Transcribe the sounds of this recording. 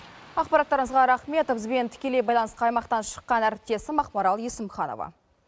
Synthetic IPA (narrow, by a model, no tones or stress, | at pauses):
ɑqpɑɾɑt̪ːɑɾəɴəzʁɑɾɑχme̞t̪obzbe̞nt̪ʰʏ̥kʲe̞le̞jbɑjlˠɑnəsqɑjmɑqt̪ɑnʃə̥qːɑnæɾɪp̚t̪e̞sɪmɑqpɑɾɑlˠjesɪmχɑno̰vɑ̰